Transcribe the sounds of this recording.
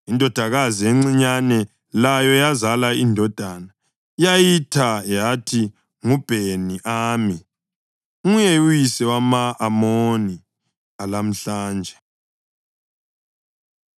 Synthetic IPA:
indʱɔd̥ʱaɣazieŋ͡ǀiɲanɛ | lajɔjazalaindʱɔd̥ʱana | jajitʰajatʰi | ŋub̥ʱeniʔaːmi | ŋujɛujisɛwamaːmoni | alam̩ɬaːnd͡ʒʱɛ

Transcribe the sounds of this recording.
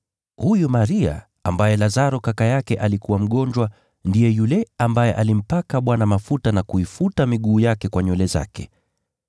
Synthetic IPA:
hujumaɾia̰ | a̰mbajɛlazaɾɔkakajakɛʔalikuwam̩ɠɔɲd͡ʒwa | ndijɛjulɛambajɛʔalim̩pakaɓwanamafutanakuifutamiɠuːjakɛkwaɲɔlɛza̰kɛ̰

